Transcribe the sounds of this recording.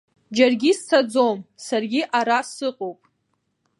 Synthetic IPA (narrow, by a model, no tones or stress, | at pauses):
d͡ʒarɡʲist͡sʰad͡zomsarɡʲiʔaɾasɨqʼowpʼ